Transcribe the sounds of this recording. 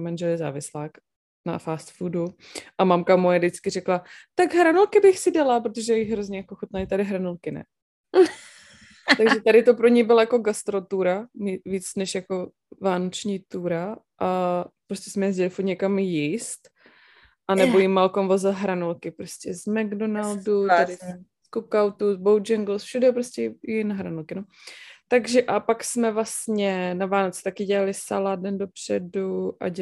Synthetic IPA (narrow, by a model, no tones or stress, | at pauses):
manʒɛlɪza̰ːvɪslaːk | na̰faːst̪fudu | ʔamamkamojɛdɪt͡skɪrɛklat̪aɡɦɾanulkɪbɪxsɪdalap̬ɾot̪oʒɛjɛjɪɦɾozɲɛjakoxot̪naɪt̪adɪɦɾanulkɪnɛ̰ | t̪aɡʒɛt̪adɪt̪o̞pɾo̞ɲɛjbɪlajako̞ɡast̪ɾo̞t̪uɾaviːt͡snɛʃjako̞ | vaːnot͡ʃɲiːt̪uːɾa | ʔapɾoscɛsmɛjɛzɟɛlɪfuɾt̪ɲɛkamjist̪ | ʔanɛbojimːalkomvozɪlɦɾanulkɪpɾoscɛzmaɡdonaldut̪adɪskukawt̪uzbowd͡ʒɛŋɡl̩sfʃudɛpɾoscʲɛjɪnaɦɾanulkɪnot̪aɡʒɛʔapaksmɛvlasɲɛnavaːnot͡sɛ̥t̪akɪɟɛlalɪsa̰ladɛndo̞pr̝̥ɛduʔa̰ɟ